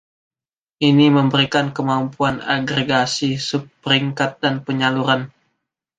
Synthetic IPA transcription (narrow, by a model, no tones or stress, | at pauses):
ʔiniməmbəɾikankəmampuana̰ɡɾeɡasisupːəɾiŋkat̪̚danpəɲaluɾan